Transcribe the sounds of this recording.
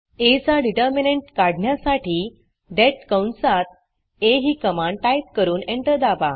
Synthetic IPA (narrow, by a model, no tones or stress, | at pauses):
et͡saɖiʈəɾmineɳʈkaɽɳjasaʈʰiː | d̪ɛʈ̚kəwnsat̪̚ | eɦiːkəmãɳ̚ʈajp̚kəɾuːnẽɳʈəɾd̪aʋa